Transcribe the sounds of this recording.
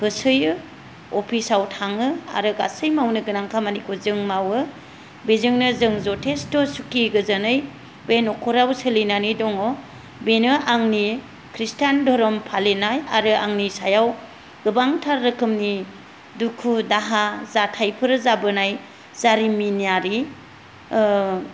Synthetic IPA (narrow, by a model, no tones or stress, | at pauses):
hɯsɯjɯ | ɔpʰisawtʰaŋɯa̰ɾɯɡa̰sɯjmawnɯɡɯnaŋkʰamanikʰuzɯŋmawɯ | bezɯŋnɯzɯŋzɔtʰestɔsukiɡɯzanɯj | benɔkʰɔɾawsɯlinanɯjdɔŋɔ | benɯʔaŋni | kʰɾistʰandɔɾɔmpʰalenajaɾɯaŋnisajaw | ɡɯbaŋtʰaɾːɯkʰɯmni | dukʰudaɦazatʰajpʰɯɾɯzabɯnaj | zaɾiminiaɾi